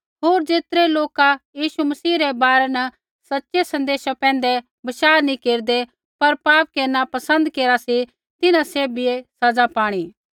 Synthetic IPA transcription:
ɦoːɾd͡ʒeːt̪ɾeloːkajiːʃumɐsiːɾɛbaːɾɛnɐ | sɐtːʃesɐ̃nd̪eːʃapɛ̃ːnd̪e | bɐʃaːɾnĩkeːɾd̪e | pɐɾpaːp̚keːɾnapɐsə̃nd̪keːɾasi | t̪ɪnãseːbiesɐd͡zapaːɽ̃iː

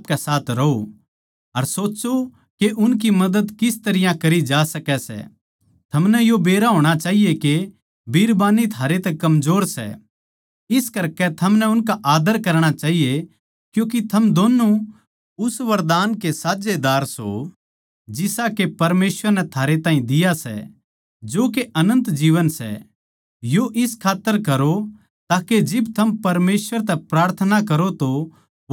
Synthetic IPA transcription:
p̚kɛsaːt̪ʰɾɐɦo | ɐɾsoːt͡ʃo | keʔʊnk̬imɐd̪əd̪kɪst̪ɐɾɪjãkɐɾid͡ʒaːsɐkɛsɛ̰ | t̪ʰɐmnɛjobeːɾaɦoːɽ̃at͡ʃaːɦijeke | bʱiːɾbaːnit̪ʰaːɾet̪ɛkɐmzoːɾsɛ̰ | ɪskɐɾkɛt̪ʰɐmnɛʊnkaʔaːd̪əɾkɐɾɽ̃at͡ʃaːɦije | kjũːkit̪ʰɐmd̪oːnːu | ʊsʋɐɾd̪aːnkesaːd͡ʒed̪aːɾso̰ | d͡ʒɪsakepɐɾmeːsʋəɾnɛt̪ʰaːɾet̪ãːɦĩd̪ɪjasɛ̰ | d͡ʒoːkeʔɐnə̃nt̪d͡ʒiːʋənsɛ̰ | joʔɪskʰaːt̪ːəɾkɐɾo | t̪aːked͡ʒɪbt̪ʰɐmpɐɾmeːsʋəɾt̪ɛpɾaːɾt̪ʰənakɐɾot̪o

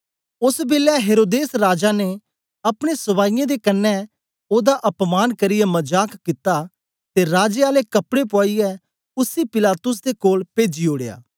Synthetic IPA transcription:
ʊsbɪːlɛɦeːɾoːd̪eːsɾaːd͡ʒane | ɐpɽ̃esʊʋaːɪjãd̪ekɐnːɛ | oːd̪aʔɐpmaːnkɐɾɪjɛmɐd͡ʒaːkkɪt̪a | t̪eɾaːd͡ʒeaːlekɐpɽepɔːijɛ | ʊsipɪlaːt̪ʊs̬d̪ekoːlpeːd͡ʒioːɽeja̰ː

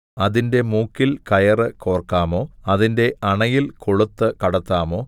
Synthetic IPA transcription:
ɐðinde̞muːkːilkɐjɐrɨko̞ːrkːaːmo̞ːɐðinde̞ɐɳɐjilkoɭut̪ːɨkɐɽɐt̪ːaːmo̞ː

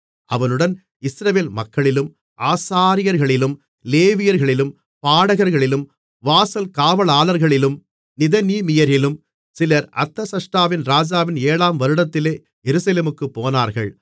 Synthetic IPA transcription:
ʔɐʋɐnɯɽɐn | ɪsɾɐʋeːlmɐkːɐɭɪlɯm | ʔaːsaːɾɪjɐɾɣɐɭɪlɯm | leːʋɪjɐɾɣɐɭɪlɯm | paːɽɐɣɐɾɣɐɭɪlɯm | ʋaːsɐlkaːʋɐɭaːlɐɾɣɐɭɪlɯm | nɪðɐniːmɪjɐɾɪlɯm | sɪlɐɾɐ̰t̪ːɐsɐʂʈɾaːʋɪnɾaːd͡ʒaːʋɪneːɭaːmʋɐɾɯɽɐt̪ːɪleː | jɛɾɯsɐleːmɯkːɯpːoːnaːɾɣɐɭ

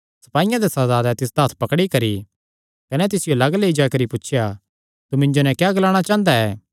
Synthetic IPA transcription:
sɐ̥paːɪjãd̪esɐdaːd̪ɛt̪ɪs̬d̪aːt̪ʰpɐkɽikɐɾi | kɐnɛt̪̬ɪsɪjolɐɡleːd͡ʒakɐɾipʊt͡ʃʰʃʰja | t̪umɪ̃ɲd͡ʒonɛ̃kjaːɡɐlaːɽ̃at͡ʃãːnd̪aɛː

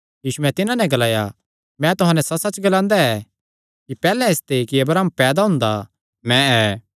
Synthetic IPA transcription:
jiːsuɛ̃t̪ɪnãnɛ̃ɡɐlaːja | mɛ̃t̪ʊɦãːnɛsɐsɐt͡ʃɡɐlãːnd̪aɛ | kipɛːlɛ̃ɪst̪ekiɐbɾaːmpɛːd̪aɦʊ̃nd̪a | mɛ̃ɛː

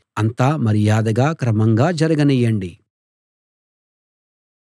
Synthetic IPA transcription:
ɐnt̪aːmɐɾijaːd̪ɐɡaːkɾɐmɐŋɡaːd͡ʒɐɾɐɡɐnɛjːɐɳɖi

